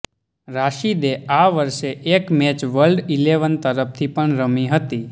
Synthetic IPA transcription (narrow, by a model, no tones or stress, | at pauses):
ɾaʃid̪eaʋəɾʃeekmɛt͡ʃʋəlɖileʋənt̪əɾəp̚t̪ʰipəɳɾəmiɦət̪i